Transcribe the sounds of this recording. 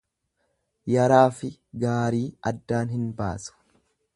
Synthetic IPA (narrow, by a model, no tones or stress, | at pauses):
jɐɾaːfɪɡaːɾiːɐd̪ːaːnɦɪnba̰ːsʊ̥